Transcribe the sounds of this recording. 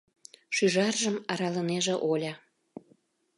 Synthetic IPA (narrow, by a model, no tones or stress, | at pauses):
ʃyʒɑrʒəmɑɾɑləneʒĕʔolʲɑ